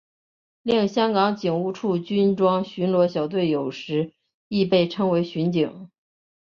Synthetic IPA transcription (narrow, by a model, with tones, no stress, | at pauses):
li˥˩ŋɕjɑ˥ŋkɑ˧˥ŋt͡ɕi˨˩ŋu˥˧ʈ͡ʂʰu˥˩t͡ɕy˥nʈ͡ʂwɑ˥ŋɕy˧˥nlwɔ˧˥ɕjɑ˨˩ʊt̪̬we˥˩ɪjo˨˩ʊʂɻ̩˧˥ | i˥˧pe˥˩ɪʈ͡ʂʰɤ˥ŋwe˧˥ɪɕy˧˥nt͡ɕi˨˩˦ŋ